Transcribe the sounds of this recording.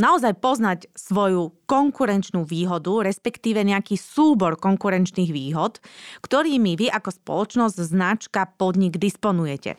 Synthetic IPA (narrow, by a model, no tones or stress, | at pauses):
naɔzajpɔznacsʋɔjukɔŋkuɾɛnt͡ʃnuːʋiːɦɔd̪uɾɛspɛkt̪iːʋɛɲɛakiːsuːbɔɾkɔŋkuɾɛnt͡ʃniːɣʋiːɦɔt̪kt̪ɔɾiːmiʋiʔakɔspɔ̰lɔt͡ʃnɔzɟznat͡ʃkapɔd̪ɲiɡd̪ispɔnujɛcɛ̰